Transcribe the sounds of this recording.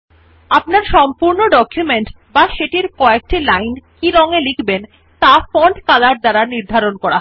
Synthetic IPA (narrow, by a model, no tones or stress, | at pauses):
apnaɾʃɔmpuɾnoɖɔkʰːjumeɳʈ | baʃeʈiɾkɔek̚ʈilajnkiɾɔŋelikʰben | t̪afɔɳɖkalaɾd̪aɾaniɾd̪ʱaɾonkɔɾa